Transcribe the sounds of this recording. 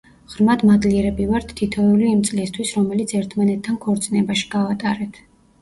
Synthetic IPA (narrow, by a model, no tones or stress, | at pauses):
ʁɾmad̪mad̪liɛɾɛbivaɾt̪ʰːit̪ʰɔɛuliːmt̪sʼlist̪ʰwisɾɔmɛlit̪sʰɛɾt̪ʰmanɛt̪ʰːankʰɔɾt̪sʼinɛbaʃi̥ɡavat̪ʼaɾɛt̪ʰ